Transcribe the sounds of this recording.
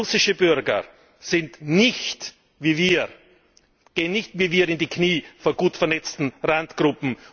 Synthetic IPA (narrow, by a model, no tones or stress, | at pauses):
ʊsɪʃəbʏɾɡɐ̰ | z̥ɪntnɪçt | viːviː | ɡ̥eːənːɪçtviːviːɐɪndikʰniːfɔnɡ̥uːtfɛɐnɛt͡stn̩ʁantɡ̥ʁʊpm̩